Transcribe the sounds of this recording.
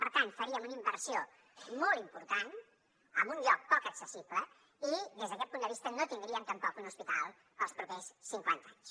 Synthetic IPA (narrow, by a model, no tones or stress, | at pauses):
pəɾt̪ant̪fəɾiəmunimbəɾsio | molˠimpuɾt̪an | əmbunʎɔk̚pɔkəksəsiplə | iðezðəkɛt̪̚pund̪əβist̪ənot̪ind̪ɾiənt̪əmpɔkunuspit̪alˠ | əlˠspɾupɛssiŋkwa̰nt̪aɲs